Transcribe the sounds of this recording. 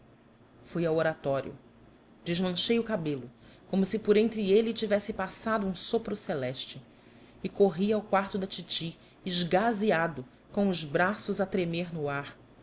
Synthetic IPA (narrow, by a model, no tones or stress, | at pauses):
fujawoɾat̪ɔɾj̰ʊ̰ | d͡ʒɪʒmɐ̃ʃejʊkabelʊkõmʊsɪpoɾẽnt̪ɾɪelɪt͡ʃivɛsɪpasad̪ʊũsopɾʊselɛʃt͡ʃɪ | ɪkoɦiawkwaɾt̪ʊd̪ɐt͡ʃit͡ʃi | ɪʒɡaziad̪ʊ | kõʊʒbɾasʊzat̪ɾemeɾnʊaɾ